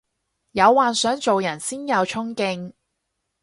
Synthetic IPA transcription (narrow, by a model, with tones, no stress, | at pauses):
jɐ˨˧wːaː˨nsœː˨˥ŋt͡so˨wjɐ˨˩nsiː˥njɐ˨˧wt͡ʃʰʊ˥ŋkɪ˧ŋ